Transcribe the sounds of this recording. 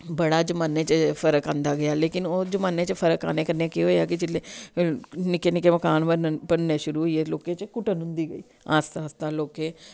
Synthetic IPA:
bəɽaːd͡ʒəmaːnːẽːt͡ʃəpʰəɾəkãːnd̪aːɡəjaːleːkɪnoːd͡ʒəmaːnẽːt͡ʃəpʰəɾəka̰ːneːkəɾneːkeɦoːjaːkɪd͡ʒɪleː | nɪkeːnɪkeːməkaːnbəbəɽnẽːʃʊɾuːɦʊieloːkẽːt͡ʃkʊʈənɦʊ̃nd̪iːɡəḭː | aːst̪aːst̪aːloːkẽː

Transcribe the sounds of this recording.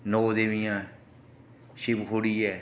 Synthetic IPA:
noːd̪eʋɪjãː | ʃɪbɦoːɽiːɛː

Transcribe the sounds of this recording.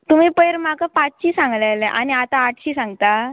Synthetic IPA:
t̪um̤ipəjɾmakapat͡sɕiːsãŋɡlalɛʔañiat̪aːʈʰɕiːsãŋɡt̪a

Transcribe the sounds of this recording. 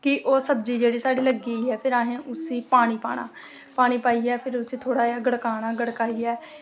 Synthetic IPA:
kɪʔoːsəb̚d͡ʒiːd͡ʒeːɽiːsaːɽiːləɡiːɦɛːpʰɪɾaːɦẽːʔʊsiːpaːɽ̃iːpa̰ːɳ̃a̰ː | paːɽ̃iːpaːiːɛːpʰɪɾʊsiːt̪ʰoːɽaːaːɡəɽkaːnaːɡəɽkaːiːɛː

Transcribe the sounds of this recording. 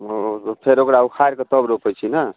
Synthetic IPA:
pʰeɾokɾaukʰaɾket̪ɔbɾopʰəjt͡ʃʰinə

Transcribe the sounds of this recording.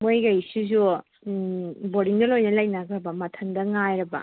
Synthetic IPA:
mojɡɐjsizu | boɾiŋdɐlojnɐlɐjnaɡɾɐbɐmɐtʰɐndɐŋajɾɐbɐ̰

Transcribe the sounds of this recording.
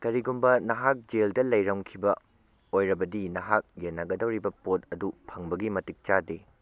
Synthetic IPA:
kɐɾiɡumbɐnɐɦak̚d͡ʒeldɐlɐjɾɐŋkʰibɐ | ojɾɐbɐdinɐɦak̚jenːɐɡɐdɐwɾibɐpot̚ɐdupʰɐŋbɐɡimɐtik̚t͡ʃade

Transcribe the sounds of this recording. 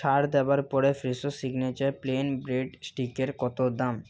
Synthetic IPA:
ʃaɾd̪ɛbaɾpɔɾefɾisosiɡnet͡ɕaɾplenbɾeɖsʈikeɾkɔt̪od̪am

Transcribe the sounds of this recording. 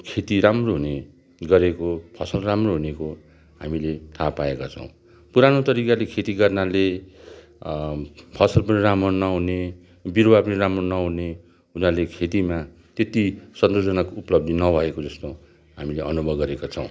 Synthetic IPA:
kʰet̪iɾamroɦune | ɡʌɾekopʰʌsʌlramroɦuneko | ɦamilet̪ʰapaekat͡sʰʌ̰̃w̃ | puɾanot̪ʌɾikalekʰet̪iɡʌrnale | pʰʌsʌlpʌniramʌnʌɦune | birbapʌniɾamronʌɦune | ɦunalekʰet̪ima | t̪et̪isʌnd̪od͡zʌnakouplʌb̚d̪inʌbʱʌekod͡zʌst̪o | ɦamileʔʌnubʱʌbɡʌɾekat͡sʰʌ̰̃w̃

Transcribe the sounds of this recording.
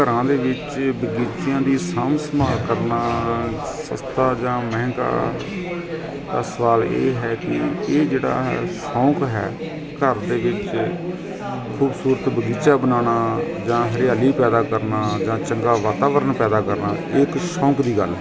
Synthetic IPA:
kəɾãːd̪eːʋɪt͡ʃbəɡiːt͡ʃɪjãːd̪iːsamsmaːlkəɾnaː | sə̰st̪aːd͡ʒãːmɛ̃ːŋka̰ː | d̪aːsəʋaːlḛːɦɛːkɪ̰eːd͡ʒeːɽa̰ːɦsɔ̃ːkɦɛ̰ː | kəɾd̪eːʋɪt͡ʃ | kʰuːbsuːɾət̪bəɡiːt͡ʃaːbənaːnaː | d͡ʒãːɦəɾɪjaːliːpɛːd̪aːkəɾnaːd͡ʒãːt͡ʃəŋɡaːʋaːt̪aːʋəɾənpɛːd̪aːkəɾnaː | ɪkʃɔ̃ːkd̪iːɡə̰lɛː

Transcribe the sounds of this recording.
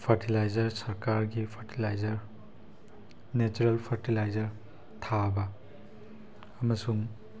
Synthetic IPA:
pʰɐɾtilajzɐɾsɐɾkaɾɡipʰɐɾtilajzɐɾ | net͡ʃuɾelpʰɐɾtilajzɐɾ | tʰabɐ | mɐsuŋ

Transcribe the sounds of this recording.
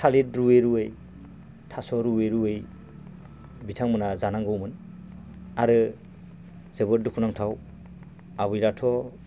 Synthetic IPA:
tʰalitɾuweɾuɯj | tʰasɔɾuweɾuɯj | bitʰaŋmɯnazanaŋɡɯwmɯn | aɾɯ | z̥ɯbɯt̚dukʰunaŋtʰaw | aβɯjɾatʰɔ

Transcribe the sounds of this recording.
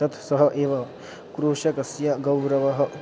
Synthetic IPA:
ɐt̪ʰsɐɦɐ̆ʔeːʋɐ | kɾuːʃɐkɐsjɐɡɐwɾɐʋɐɦɐ̆

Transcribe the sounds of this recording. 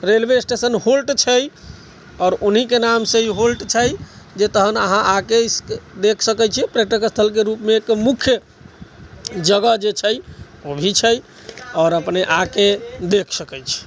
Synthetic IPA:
ɾelbesʈesənholʈt͡ʃʰəj | ɔːɾunɦikenamsẽiɦolʈt͡ʃʰəj | d͡ʒet̪əɦənəɦãʔakeskd̪ekʰsəkɛjt͡ʃʰipɾeʈəkəst̪ʰəlk̬eɾupmeːkmukʰjə | d͡ʒəɡəd͡ʒet͡ʃʰəj | obʱit͡ʃʰəj | ɔːɾəpneʔaked̪ekʰsəkɛjt͡ʃʰi̥

